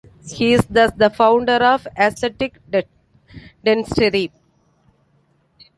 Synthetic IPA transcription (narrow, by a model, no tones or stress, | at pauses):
hiːɪsd̪əd̪əfãʊ̃ɳɖəɾɔːʋæseʈɪk | ɖɛ̃nsʈeɾi